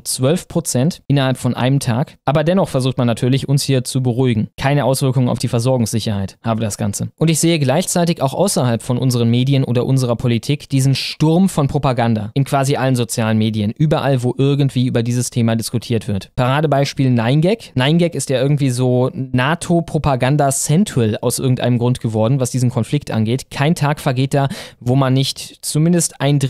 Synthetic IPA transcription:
t͡sv̥œlfpʁ̥ot͡sɛntʔɪnɐhalpfɔnʔa̰ɪnəmtʰaːkʔaːbɐdɛnɔχfɛɐzuːxtmanːatʰyːɐlɪçʔʊnshiːɐt͡subəʁuɪɡŋ̩kʰaɪnəʔaʊsv̥ɪɐkʊŋəna̰ʊfd̥iːfɛɐzɔɐɡʊŋsz̥ɪçɐhaɪthaːbədasɡ̥a̰nt͡səʔʊntɪçz̥eːəɡlaɪçt͡saɪtɪçaʊxʔa̰ʊsɐhalpfɔnʔʊnzəʁ̞ənmeːdiənʔoːdɐʔʊnzəʁ̞ɐpʰolitʰiːkd̥iːzn̩ʃtʊɐmfɔnpʁ̥opaɡanda̰ʔɪnkv̥aːziʔalənzot͡sjaːlənmeːdiənʔyːbɐʔalvoːʔɪɐɡ̩tv̥iːʔyːbɐdiːzəstʰeːmadɪskutʰiːɐtv̥ɪɐtpʰaʁaːdəbaɪʃpiːlnaɪnɡɛknaɪnɡɛkɪstjaːʔɪɐɡŋ̩tv̥iːzoːnaːtʰopʁ̥opaɡandat͡sɛntʰɛla̰ʊsʔɪɐɡŋ̩tʔa̰ɪnəmɡʁʊntɡ̥əvɔɐdn̩vasd̥iːzn̩kʰɔnflɪktʔa̰nɡeːtkʰaɪntʰaːkfɛɐɡeːt̚d̥aːvoːmanːɪçtt͡sumɪndəstaɪnd

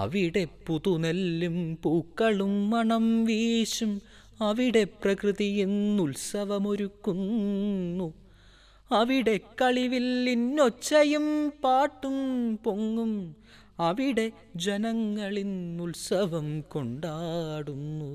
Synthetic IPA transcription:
ɐ̰ʋiɽe̞puðunelːumpuːkːɐɭumːɐɳɐmʋiːɕum | ɐʋiɽe̞prɐkrɨðijinulsɐʋɐmo̞ɾukːunːu | ɐʋiɽe̞kɐɭiʋilːinːot͡ɕːɐjumpaːʈːumpo̞ŋːum | ɐʋiɽe̞ | d͡ʑenɐŋːɐɭinulsɐʋɐmko̞ɳɖaːɽunːu

